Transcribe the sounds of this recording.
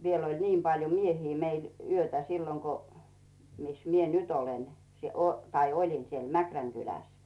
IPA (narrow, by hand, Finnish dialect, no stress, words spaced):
ʋiel olʲ niːm pɑljo miehiː meil yøtæ silːoŋ ko mis mie nyt olen tɑi olʲin siel mækræŋ kylæs